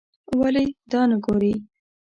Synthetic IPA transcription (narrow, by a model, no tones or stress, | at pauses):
waled̪ɑnaɡoɾi